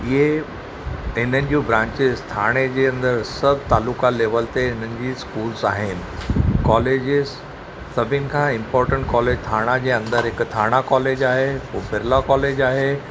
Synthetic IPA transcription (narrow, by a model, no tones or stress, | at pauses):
ɪɦe | ɦɪn̤ənɪ̆d͡ʑobɾãːɲt͡ɕɪzt̪ʰaːɽ̃ed͡ʑeːɐ̃nd̪əɾsɐbʱt̪aːluːkaleːʋəlt̪eɦɪnənɪ̆d͡ʑiːskuːlzaːɦɪnɪ̆kɔːleːd͡ʑɪz | sɐbʱənɪ̆kʰãːɪ̃mpɔːɾʈə̃ɳʈ̚kɔːleːd͡ʑt̪ʰaːɽ̃ad͡ʑeːɐ̃nd̪əɾɦɪkt̪ʰaːɽ̃akɔːleːd͡ʑaːɦeuːbɪɾlakɔːleːd͡ʑaːɦe